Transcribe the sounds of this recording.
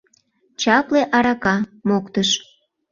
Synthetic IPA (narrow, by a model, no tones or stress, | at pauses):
t͡ɕɑpleʔɑɾɑkɑmokt̪əʃ